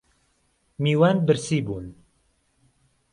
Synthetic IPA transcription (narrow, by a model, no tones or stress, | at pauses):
miːwanbɨɾsiːbuːn